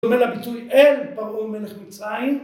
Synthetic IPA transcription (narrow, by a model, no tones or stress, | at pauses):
omelabitujelpaʁumeleχmit͡sʁain